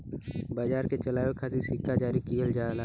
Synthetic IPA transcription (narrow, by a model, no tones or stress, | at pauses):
baːd͡ʒaːɾket͡ʃəlaːʋekʰaːt̪isɪkːad͡ʒaːɾikijəld͡ʒaːla